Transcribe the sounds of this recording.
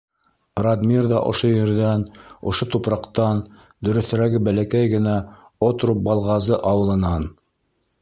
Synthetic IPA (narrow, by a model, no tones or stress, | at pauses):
rɑd̪mʲirðɑʔŏ̰ʃojɘ̆ɾðænŏ̰ʃot̪upɾɑqt̪ɑn | d̪ɵ̆ɾɵ̆θɘ̆ɾæɡɘbælækæjɡɘ̆næ | ot̪ɾup̚bɑlˠʁɑzɤʔɑwɤ̆lˠɤ̆nɑn